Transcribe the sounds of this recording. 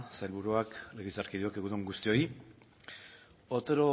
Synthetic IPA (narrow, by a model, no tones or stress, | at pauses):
sajlβuɾuakleɣisaɾkiðuakeɣuðuŋɡust̪io̞i | ot̪eɾo